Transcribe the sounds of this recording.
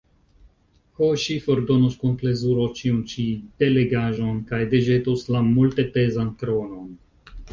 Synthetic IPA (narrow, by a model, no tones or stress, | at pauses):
hoʃifoɾdo̞nuskunple̞zuɾo̞t͡ʃiunt͡ʃid̥e̞leɡaʒo̞nkajdeʒetuslamulte̞pezankɾono̞n